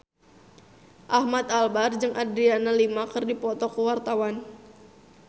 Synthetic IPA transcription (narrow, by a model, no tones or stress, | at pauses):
ʔahmat̪albard͡ʒɨŋʔadɾianalimakɨrdipɔt̪ɔkəwart̪awan